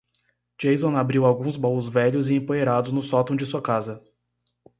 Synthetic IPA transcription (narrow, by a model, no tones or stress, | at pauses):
d͡ʒejzõabɾiwawɡũzbɔwʊzvɛʎʊzɪẽmpoeɾad̪ʊznʊsɔt̪õd͡ʒɪsuɐkazɐ